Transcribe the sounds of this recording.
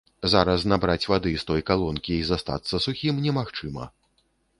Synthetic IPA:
zaɾɐsnabɾat͡sʲvad̪ɨst̪ɔjkalˠɔnkʲiizast̪a̰t̪sːɐsuxʲimnʲɛmaxt͡ʂɨmɐ̰

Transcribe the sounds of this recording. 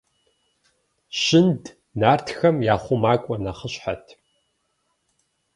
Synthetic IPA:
ɕɪnd | naːrtʰxɐmjaːχʷʊmaːkʷʼɔnɐχəɕħatʰ

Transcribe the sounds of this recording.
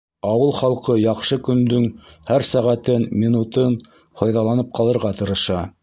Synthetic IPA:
ɑwɤlˠχɑlˠqɤjɑqʃɤkɵ̆nd̪ɵŋhæɾsæʁæt̪ɘnmʲinut̪ɤn | fɑjðɑlˠɑnɤp̚qɑlˠɤ̆ɾʁɑt̪ɤ̆ɾɤ̆ʃɑ

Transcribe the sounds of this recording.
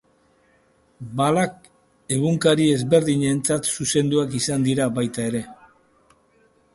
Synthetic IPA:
balak̚ | e̞ɣuŋkaɾie̞zβe̞ɾðiɲe̞nt͡sat̪suse̞nd̪uakisand̪iɾaβajt̪ae̞ɾe̞

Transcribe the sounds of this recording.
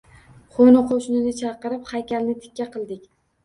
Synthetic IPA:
χonɪqʰoʃnɪnɪt͡ʃʰɑqɨɾɪphajkʲalnɪt̪ʰɪ̥kʲːaqʰɨlˠd̪ɪkʲ

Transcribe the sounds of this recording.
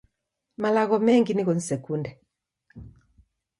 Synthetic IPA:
malaɣɔmɛŋɡiniɣonsɛkundɛ

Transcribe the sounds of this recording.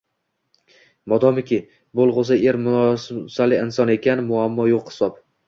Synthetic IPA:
mɒd̪ɒmɪkʲɪ | bolˠʁʊs̬aeɾmʊɒssalɪɪnsɒne̞kʲʰanɪmʊamːɒjoqhɪ̥sɒp

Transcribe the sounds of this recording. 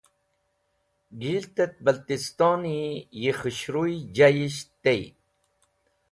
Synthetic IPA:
ɡilt̪ət̪̚bəlt̪ist̪oːnijixiɕɾujd͡ʑajiɕt̪ej

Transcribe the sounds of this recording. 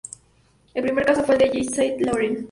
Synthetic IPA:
elpɾimeɾkasofweld̪eʝisajt̪loɾen

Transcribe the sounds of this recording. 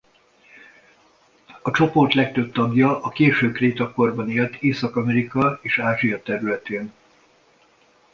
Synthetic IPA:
ɒt͡ʃo̞port̪lɛk̚t̪øb̚t̪ɒbjɒʔːkeːʃøːkreːt̪ɒko̞rbɒneːlt̪eːsɒkɒmɛɾikɒeːʃaːʒijɒt̪ɛɾylɛt̪eːn

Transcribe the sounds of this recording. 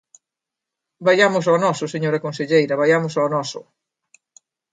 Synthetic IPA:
baʎamʊsaːnɔsʊseɲoɾɐkõnseʎejɾɐβajamʊsaonɔsʊ̰

